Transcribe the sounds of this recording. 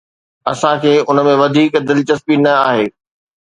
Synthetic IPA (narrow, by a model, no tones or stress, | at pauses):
ɐsãkʰeːʊnə̆mẽʋɐd̪ʱiːkd̪ɪlɪt͡ɕɐspinɐaːɦeː